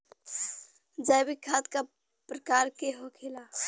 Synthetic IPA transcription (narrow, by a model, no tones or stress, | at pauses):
d͡ʒajbikʰːaːt̪ka | pɾəkaːɾkeɦokʰela